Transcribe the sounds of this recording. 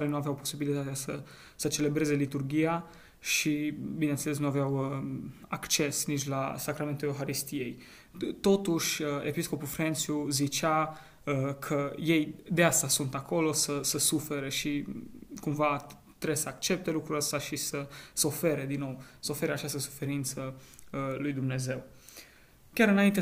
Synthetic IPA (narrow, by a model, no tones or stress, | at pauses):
aɾenuaveawpo̞sibilit̪at̪easə | sət͡ʃe̞le̞bɾe̞ze̞lit̪urɡʲija | ʃibinet̪seles̬nuaveawəakt͡ʃe̞snit͡ʃʲla̰sakɾament̪ulewxaɾist̪ije̞j | t̪o̞t̪uʃʲəḛpisko̞pufɾent̪sjuzit͡ʃa | əkʰəje̞jd̪east̪asunt̪ako̞lo̞səsəsufe̞ɾeʃikumva | t̪ɾebsəakt͡ʃe̞p̚t̪e̞lukɾuɾəst̪aʃisəsəofe̞ɾe̞d̪inːo̞wsəofe̞ɾeat͡ʃast̪əsu̥fe̞ɾint̪sə | lujd̪umne̞ze̞w | kʲaɾɨnaint̪e